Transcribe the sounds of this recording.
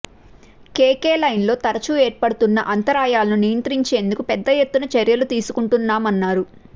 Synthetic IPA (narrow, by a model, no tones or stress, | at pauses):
keːke̞ːlɐjnlo̞ːt̪ɐɾɐt͡ʃuːeːɾpɐɽut̪unːɐʔɐnt̪ɐɾaːjaːlɐnunijɐnt̪ɾiɲt͡ʃe̞ːnd̪ukupɛd̪ːɐjet̪ːunɐt͡ʃɐɾjɐlut̪iːsukuɳʈunːaːmɐnːaːɾu